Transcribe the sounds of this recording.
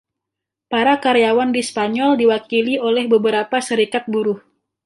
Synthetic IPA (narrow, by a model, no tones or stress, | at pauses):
paɾakaɾeawandispaɲɔldiwakiliolɛhbəbəɾapasəɾikat̪̚buɾʊh